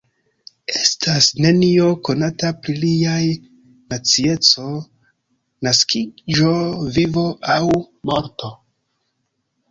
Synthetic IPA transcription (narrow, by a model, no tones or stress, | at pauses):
e̞stʰasne̞nio̞ko̞natapɾiliaj | nat͡sie̞t͡so̞ | naskid͡ʒo̞vivo̞ʔaw | mo̞ɾto̞